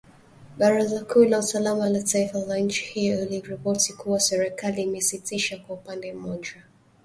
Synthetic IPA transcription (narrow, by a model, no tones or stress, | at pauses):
ɓaɾazakʰulausalamalataifazanɲ̩t͡ʃi̥hijɔiliɹipɔtikuwasɛɾɛkaliːmɛsitiʃakwaupandɛm̩mɔʄa